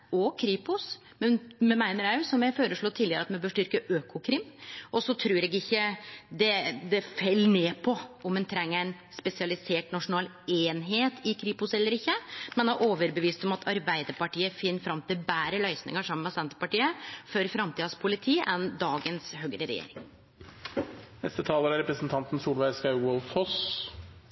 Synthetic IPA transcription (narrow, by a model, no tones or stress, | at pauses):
ɔkʰɾiːpʊs | mɛnmɛmæɪnəɾæsɔmjæføːɾəʂɭoːt̪ʰiːlːɪəɾəɑt̪mɛbøːʂʈʏɾkəʔøːkʰʊkʰɾɪmːʔɔsɔt̪ʰɾʉːɾɛɡɪçːəd̪ɛd̪ɛfɛlːneːpʰɔʔɔmɛnt̪ʰɾɛŋːəɾæɪn | spɛsɪɑlɪseːʈnɑʂʊnɑːl | eːnɦeːt̪ʰɪkʰɾiːpʊsɛlːəɾɪçːəmɛnd̪ɑʔoːʋəɾbəʋiːst̪ɔmɑt̪ʰɑɾbæɪd̪əɾpɑʈiːəfɪnːəfɾɑmt̪ɪbæːɾəlœʏsnɪ̰ŋəʂɑmːənmɛsɛnt̪ə̥pɑʈiːəfɔɾfɾɑmt̪iːd̪ɑspʰʊlɪt̪ʰiːʔɛnd̪ɑːɡənshœɡɾəɾɛ̰jḛːɾɪŋ | nɛst̪ət̪ʰɑːləɾɑɾɛpɾəsn̩t̪ʰɑnt̪n̩suːlʋæɪskɑɪwœlfhɔs